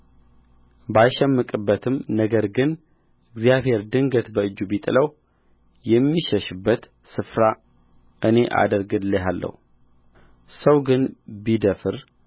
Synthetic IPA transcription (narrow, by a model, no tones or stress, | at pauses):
bajʃɛmːɨkʼɨbːət̪ʰɨmnəɡəɾɡɨn | ʔɨɡzijaβɦhe̞ɾd̪ɨŋɡət̪bəɨd͡ʒːubit̪ʼɨləw | jɛmːiʃəʃɨbːət̪ | sɨfɾa | ʔɨne̞ʔa̰d̪əɾɡɨd̪ləɦalːə̰hu | səwɡɨnbid̪əfɨɾ